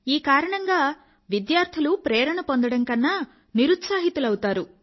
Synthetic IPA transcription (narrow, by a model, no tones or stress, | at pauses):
iːkaːɾɐɳɐŋɡaː | ʋid̪jaːɾt̪ʰilupɾeːɾɐɳɐpond̪ɐɽɐŋkɐnːa | niɾut̪saːɦit̪ulɐwut̪aːɾu